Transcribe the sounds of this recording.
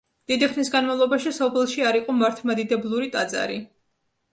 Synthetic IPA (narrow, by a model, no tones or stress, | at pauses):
d̪̥id̪iχnisɡanmavlˠɔbaʃisɔpʰɛlˠʃiaɾiqʼɔmaɾt̪ʰmad̪id̪ɛblˠuɾit̪ʼat̪sʼa̰ɾi